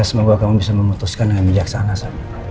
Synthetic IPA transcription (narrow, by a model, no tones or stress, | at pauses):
asəmɔɡakamubisaməmut̪uskandŋanmid͡ʒaksanasad͡ʒ